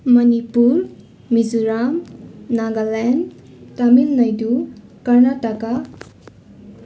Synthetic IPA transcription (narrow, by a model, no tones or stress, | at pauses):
mʌnipuɾ | mizuɾamnaɡalɛn | tamilnʌjdukʌɾnataka